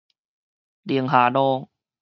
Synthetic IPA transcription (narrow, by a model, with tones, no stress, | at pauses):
li˧˩əŋɦaː˩˦noː˧ŋ